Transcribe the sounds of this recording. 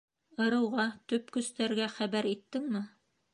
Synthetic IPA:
ɤ̆ɾɤ̆wʁɑt̪ɵpkɵ̆st̪æɾɡæχæβæɾit̪ːɘŋmɘ

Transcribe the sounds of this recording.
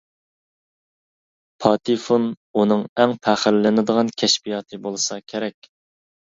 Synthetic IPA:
pʰɑt̪ʰifun | unɨŋæŋpʰæχəɾlɪnɨd̪əʁɑnkʲʰɛʃpijɑːt̪ʰɨbolˠɨsɑkʲʰeɾɛkʲ

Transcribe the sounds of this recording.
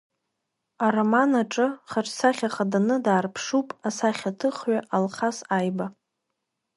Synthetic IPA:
aromanaʈ͡ʂʼɨχaʈ͡ʂʰʼsaχʲaχadanɨdaːrpʰʂupʼasaχʲatʰɨχɥaʔalχasajba

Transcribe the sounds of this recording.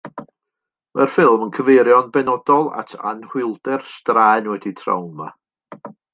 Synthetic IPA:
mərfɪlˠmənkʰəveɾjɔnbɛnɔdɔlˠa̰tʰa̰nhwɪlˠdɛrstraɛnwɛditʰra̰wnma̰

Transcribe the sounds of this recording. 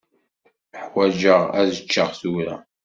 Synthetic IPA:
əħwæd͡ʒəʁæzət͡ʃːəʁθuɾæ̰

